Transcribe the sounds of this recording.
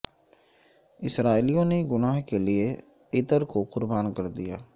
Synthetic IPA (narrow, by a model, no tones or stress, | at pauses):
ɪsɾaːilijõneɡʊnaːɦkelie | ɪt̪əɾkoqʊɾbaːnkəɾd̪ija̰ː